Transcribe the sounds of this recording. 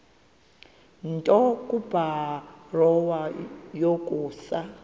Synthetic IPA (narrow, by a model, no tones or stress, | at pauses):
ntʼɔkʼub̥arɔwajokʼuːsa